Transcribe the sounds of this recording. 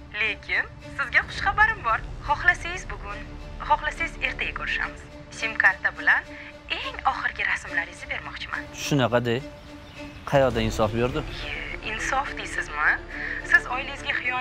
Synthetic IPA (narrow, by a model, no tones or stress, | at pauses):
le̞kʲʰɪn | sɪzɡʲaχʊ̥ʃχabaɾɪmbɒɾχɒχlasajɪzbʊɡʊnχɒχlasajɪze̞ɾt̪ʰaɡʲakʰʊɾɪʃa̰mɪz̥ | sʲimkaɾt̪ːabɪlan | e̞ŋɒχɨɾɡʲɪɾasmlaɾɪzɪbe̞ɾmɒqt͡ʃʰɪma̰nʃʊnɑqʰɑd̪ej | qʰɑjɒd̪aɪnsɒfbeɾd̪ɪheɪnsɒfd̪esɪzmɪsɪzɒjlɪɪzɡʲaχɨjɒ